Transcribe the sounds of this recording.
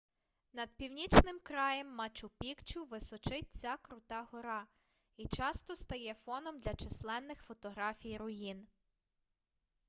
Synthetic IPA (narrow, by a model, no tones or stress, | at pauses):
nɐd̪̥̚pʲiwnʲit͡ʃnɪmkɾɑjɛmːɑt͡ʃʊpʲikt͡ʃʊʋɪsɔt͡ʃɪt̚ʲt͡sʲakɾʊt̪ɑɦɔɾɑ | it͡ʃɑst̪ɔst̪ɐjɛfɔnɔmd̪lʲɐt͡ʃɪslˠɛnːɪxfɔt̪ɔɦɾɑfʲijɾʊjin